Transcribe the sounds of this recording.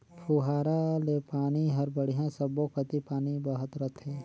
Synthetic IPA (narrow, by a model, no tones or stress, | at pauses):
pʰuːɦaːɾalepaːniɦɐɾbəɽ̤ijãsɐbokət̪ipaːnibɐɦət̪ɾɐt̪ʰɦɛ̃ː